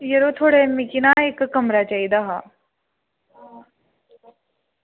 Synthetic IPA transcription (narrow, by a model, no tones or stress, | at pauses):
jeɾot̪ʰoːɽemikinaeːkːɐmɾat͡ɕaːid̪aɦa